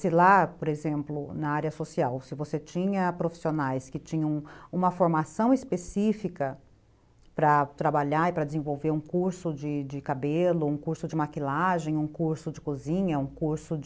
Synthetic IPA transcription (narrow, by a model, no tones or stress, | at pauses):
sɪlapoɾezẽmplʊnɐaɾjɐsosiawsɪvoset͡ʃĩɲɐpɾofi̥sionajskɪt͡ʃĩɲɐ̃w̃ũmɐfoɾmasɐ̃w̃ɪspesifikɐ | pɾɐt̪ɾabaʎaɪpɾɐd͡ʒɪzẽvowveɾũkuɾsʊd͡ʒɪd͡ʒɪkabelʊũkuɾsʊd͡ʒɪmakilaʒẽj̃ũkuɾsʊd͡ʒɪkuzĩɲɐũkuɾsʊ